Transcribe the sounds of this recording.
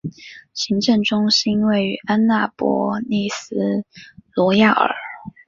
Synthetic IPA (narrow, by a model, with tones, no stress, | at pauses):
ɕi˧˥ŋʈ͡ʂɤ˥˩ŋʈ͡ʂʊ˥ŋʂ̩˥i˥nwe˥˩ɪy˧˥ʔa˥nna˥˩pwɔ̰˧˥ni˥˩sɹ̩˥lwɔ˧˥ja˥˩ə̰˞˨˩˦